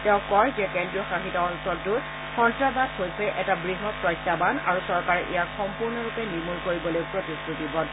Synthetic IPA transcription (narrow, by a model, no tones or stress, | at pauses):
tɛʊ̃kɔɹzɛkɛndɹiɔxaxitaɔnsɔltʊ | xɔntɹazatɦojsɛʔɛtabɹiɦɔt̚pɹɔjtʰːabana̰ɹusɔɹkaɹɛʔejaɹxɔmpuɹnɔɹupɛniɹmulkoɹibɔlojpɹotistʰutibɔd